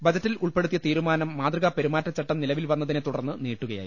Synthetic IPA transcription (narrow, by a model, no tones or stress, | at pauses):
bɐd͡ʑɐtːiluɭpe̞ɽut̪ːijɐt̪iːɾumaːnɐmːaːd̪rɨɣɐpe̞ɾumaːtːɐt͡ɕɐʈːɐmnilɐʋilʋɐnːɐðine̞t̪uɽɐrnːɨniːʈːuɣɐja̰ːji